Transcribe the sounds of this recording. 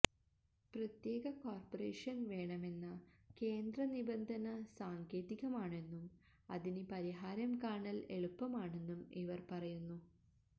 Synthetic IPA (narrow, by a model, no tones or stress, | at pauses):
prɐt̪je̞ːɣɐkoːrpɐre̞ːʂɐnʋe̞ːɳɐme̞nːɨke̞ːnd̪rɐnibɐnd̪ʱɐnɐsaːŋɡeːðiɣɐmaːɳe̞nːum | ɐ̰ðinɨpɐɾiɦaːɾɐmkaːɳɐle̞̰ɭupːɐmaːɳe̞nːumiʋɐrpɐrɐjunːu